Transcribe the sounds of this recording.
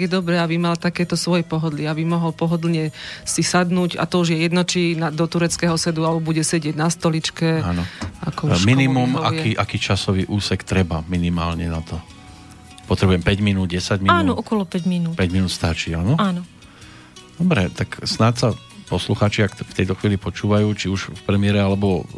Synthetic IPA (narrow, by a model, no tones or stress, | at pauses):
jɛd̪ɔbɾɛabimalt̪akɛːt̪ɔsʋɔjɛpɔɦɔd̪liabimɔɦɔlpɔɦɔd̪l̩ɲɛsisad̪nuːɟa̰t̪ɔuʒjɛjɛd̪nɔt͡ʃinad̪ɔt̪uɾɛt͡skɛːɦɔsɛd̪ualɛbɔbuɟɛsɛɟɪɛɟnast̪ɔlit͡ʃkɛanɔa̰kɔʃkminimumakiːʔakiːt͡ʃasɔʋiːʔuːsɛkt̪ɾɛbaminimaːlɲɛnat̪ɔ | pɔt̪ɾɛbujɛmpɛɟminuːd̪̚ɟɛsaɟmiaːnɔɔkɔlɔpɛɟminuːt̪pɛɟminuːt̪st̪at͡ʃianɔanɔ | d̪̥ɔbɾɛ̰t̪aksnaːt̪sa | pɔsluxaːt͡ʃiakft̪ɛjt̪ɔxʋiːlipɔt͡ʃuːʋajuːt͡ʃiuʃfpɾɛmɪɛɾɛalɛbɔ